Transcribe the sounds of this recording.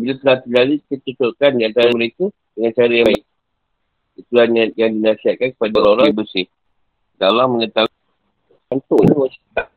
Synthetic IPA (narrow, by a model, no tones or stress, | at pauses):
bilat̪əlat̪ilalikət͡ʃət̪ʊrkandiant̪aɾaməɾeku | dəŋant͡ʃaɾajaɪk̚ | it̪ulanjajaŋdinasiat̪̚kankə̥padaɾaoɾaŋbəsɪh | dalahməŋət̪a | ant̪oiniwasi̥t̪a